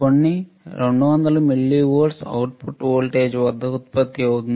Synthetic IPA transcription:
koɳːi | ɾeɳɖuʋɐnd̪ɐlumiɭːiʋoːɖsɐ̰wuʈ̚pʰuʈoːlʈeːd͡ʒʋɐd̪ːɐut̪̚pɐt̪ːiɐwut̪un

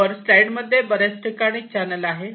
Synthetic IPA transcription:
əɾslajɖməd̪ʱːjebəɾet͡sʈʰikaɽ̃it͡ɕanəlaɦe

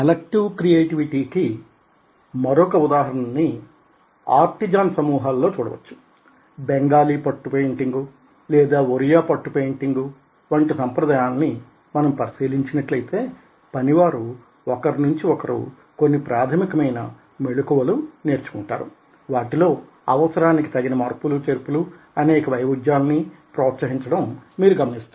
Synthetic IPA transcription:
ɐlɐk̚ʈiʋkɾijeːʈiʋiʈiːki | mɐɾɔkɐud̪aːɦɐɾɐnɐnːi | a̰ːɾt̪id͡ʒaːnsɐmuːɦalːo̞ːt͡ʃuːɽɐ̰ʋɐ̰t͡ʃːu̥ | beŋɡaːliːpɐʈːupejɳʈiŋɡu | lɛːd̪aːuɾijaːpɐʈːupejɳʈiŋɡu | ʋɐɳʈisɐmpɾɐd̪aːjaːnːi | mɐnɐmpɐɾisiːliɲt͡ʃinɐʈlɐjt̪e̞ː | pɐniʋaːɾu | ɔkɐɾinuɲt͡ʃiɔkɐɾṵ | konːipɾaːd̪ʰʱɐmikɐmɐjnɐ̰ | meɭukuʋɐlune̞ːɾt͡ʃu̥kuɳʈa̰ːɾṵ | ʋaːʈilo̞ː | ɐʋɐsɐɾaːniki̥t̪ɐɡinɐmɐːɾpulut͡ʃeɾpulu | ɐnɛːkɐʋɐjʋud͡ʒjaːlɐnipɾɔːt̪sɐɦiɲt͡ʃɐɽɐmːiːɾuɡɐmɐnist̪a

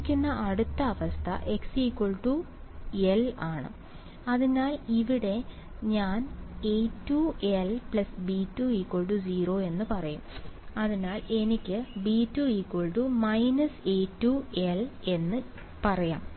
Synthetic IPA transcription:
kʲːunːɐʔɐɽut̪ːɐːʋɐst̪ʰɐ̰ʔe̞ksikːoɭʈu | elaːɳɨ̰ | ɐðinaːliʋiɽe̞ | ɲaːnejtːuelplɐsbitːuiːkwoɭʈud͡ʑiːro̞ːe̞nːɨpɐrɐjṵmɐðinaːle̞nikʲːɨbiːtːuiːkːoɭʈumɐjnɐseːtːuele̞nːɨ | pɐrɐja̰ːm

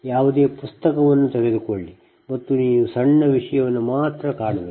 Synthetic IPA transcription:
jaːʋud̪eːpust̪ɐkɐʋɐnːut̪eɾed̪ukoɭːi | mɐt̪ːuniːʋusɐɳːɐʋiʂɐjɐʋɐnːumaːt̪ɾɐkaːɽɐbe

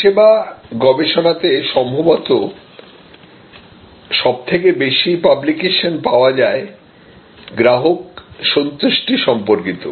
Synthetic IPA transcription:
ebaɡɔbeʃonat̪eʃɔmbʱobɔt̪o | ʃɔb̚t̪ʰekebeʃipablikeʃonpaoad͡ʑae | ɡɾaɦok̚ʃont̪ɾiʃʈiʃɔmpoɾkit̪o̰

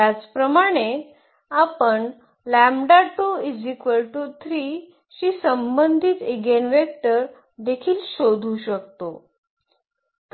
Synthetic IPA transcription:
at͡spɾəmaɽ̃e | apəɳ | læmɖaʈoid͡zikʋəlʈut̪ʰɾiː | ɕiːsəmbənd̪ʱit̪eɡenʋek̚ʈəɾ | d̪ekʰiːlɕod̪ʱuɕək̚t̪o | k

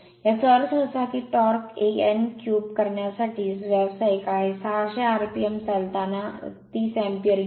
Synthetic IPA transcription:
jasəɾsɦosakiʈɔːɾkeenkjuːbkɐɾɳjasaʈiːsʋɛbsaikaːɦesaʃeaːɾpiəmsɐlt̪anat̪iːsɛ̃ːmpijəɾ

